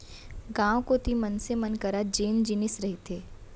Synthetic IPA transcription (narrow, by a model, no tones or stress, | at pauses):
ɡãːwkot̪imənsemɐnkɐɾad͡ʒeːnd͡ʒɪnɪsɾɐɦit̪ʰeː